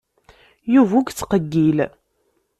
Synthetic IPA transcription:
juvuɡt͡sːqəɡːil

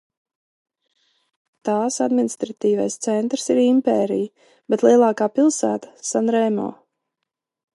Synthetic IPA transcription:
t̪aːsad̪minist̪ɾat̪iːvajst̪sɛnt̪ɾsiɾimpɛːɾḭj | bet̪lˠiɛlˠaːkaːpilˠsæːt̪ḁsanɾɛːmɔ̰ː

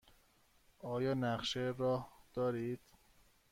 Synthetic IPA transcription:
ʔɒːjɒːnæqʃeɾɒːhd̪̥ɒːɾiːd̪̥

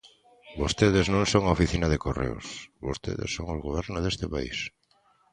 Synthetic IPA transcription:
bost̪eðɪznõŋsoŋaofiθinaðekorḛo̰sβost̪ḛðḛsːoŋozɣoβ̞ɛɾnozðest̪ɪpa̰ḭs

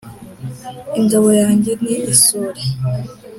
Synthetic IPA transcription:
iɲd͡ʒoβojaːɲɟeniːsuɾe

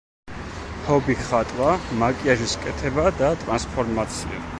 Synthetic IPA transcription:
hɔbiχat̪ʼwamakʼiaʒiskʼɛt̪ʰɛbad̪at̪ʼɾanspʰɔɾmat̪sʰḭa̰

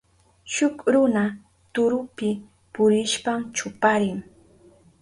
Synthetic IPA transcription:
ʃʊkɾʊna | t̪ʊɾʊpɪ | pʊɾɪʃpamt͡ʃʊpaɾɪŋ

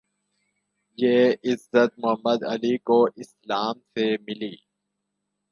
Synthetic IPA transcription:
jeːɪzːət̪̚mʊɦəmːəd̪ɐ̰likoɪslaːmsemɪliː

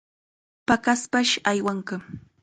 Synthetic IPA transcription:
pakaspaʃajwaɴka

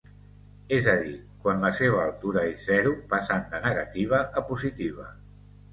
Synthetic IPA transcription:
ezəðikwanləseβ̞əːlˠt̪uɾaezːɛɾupasand̪ənəɣat̪iβ̞əʔəpuzit̪iβ̞ə

